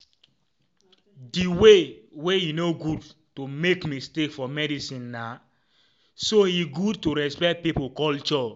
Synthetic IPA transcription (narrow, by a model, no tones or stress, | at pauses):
diwewejunoɡudtumekmistekfɔmɛdisĩnːa | soiɡud̚tuɾɛspɛkt̚pipokɔlt͡ʃɔ